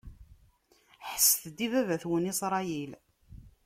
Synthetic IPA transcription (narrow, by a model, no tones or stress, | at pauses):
ħəsθd̪ivævæθwənisɾˤɑjil